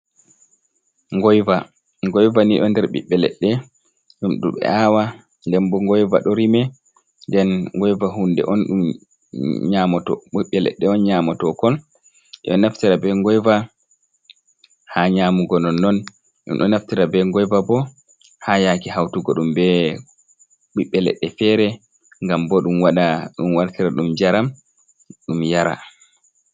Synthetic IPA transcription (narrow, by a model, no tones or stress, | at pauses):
ŋɡɔjva | ŋɡɔjvaniɗɔndɛɾɓḭɓːɛlɛ̰ɗːɛ | ɗumɗṵmɓɛ̰awa | ndɛmbɔŋɡɔjva̰ɗɔɾimɛ | ndɛnŋɡɔjvaɦundɛ̰ʔɔnɗum | ɲamɔtɔiɓːɛlɛ̰ɗːɛɔnɲamɔtɔkɔl | ɛ̰ɗɔnaftiɾabɛŋɡɔjva | haɲaːmuɡɔnɔnːɔn | ɗṵmɗɔnaftiɾabɛŋɡɔjvabɔ | hajakihawtuɡɔɗumbɛ | ɓiɓːɛlɛ̰ɗːɛfɛɾɛ | ŋɡambɔɗumwaɗaɗumwaɾtiɾaɗumd͡ʒaɾam | ɗumjaɾa̰